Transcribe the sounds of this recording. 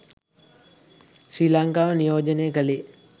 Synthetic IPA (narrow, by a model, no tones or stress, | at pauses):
sɾiːlaŋkaːʋənijoːd͡ʒənejəkəle